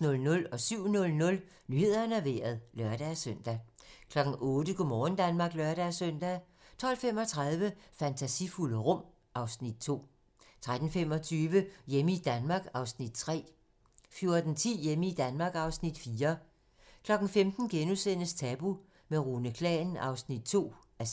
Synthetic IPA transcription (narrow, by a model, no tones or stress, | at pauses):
nɔ̽lnɔ̽lɒ̽syʊ̰nɔ̽lnɔ̽l | nyhe̝ð̰ˠɐnæʋe̝̰ːɐð̞̩ˠlɶɐɾ̥æsœn̰d̥æ | kʰlɒ̽ɡ̥n̩ʔɔːd̥əkʰomɒːn̩d̥ænmɑ̈ːɡ̥lœɐɾ̥æsœn̰d̥æ | t͡sʰɒ̽l̰fem̰ɒ̽t͡sʰʁað̞ˠʋəfænt͡sʰæsifuləʁɔ̽m̰ | ʔɑ̈ʊsnid̥̚t͡sʰo̝̰ː | t͡sʰʁad̥n̩femɒ̽t͡sʰyːʋəjeməid̥ænmɑ̈ːɡ̥ɑ̈ʊsnid̥̚t͡sʰʁɛ̰ː | fjo̝ɐd̥n̩t͡sʰḭːjeməid̥ænmɑ̈ːɡ̥ɑ̈ʊsnid̥fiːɐ | kʰlɒ̽ɡ̥n̩femd̥n̩ɡ̥enusenəst͡sʰɛb̥u | meʁunəkʰlɛ̰ːn̩ɑ̈ʊsnid̥̚t͡sʰo̝̰ː | æ